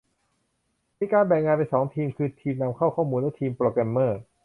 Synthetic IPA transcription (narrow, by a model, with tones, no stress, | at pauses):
miː˧kaː˧nbɛ˨˩ŋːaː˧npa˧jsɔː˩˦ŋt̪ʰiː˧mkʰɯː˧t̪ʰiː˧mna˧mkʰa˥˩wkʰɔː˥˩muː˧lɛ˦˥˩t̪ʰiː˧mpɾoː˧kɛ˧mːɤː˥˩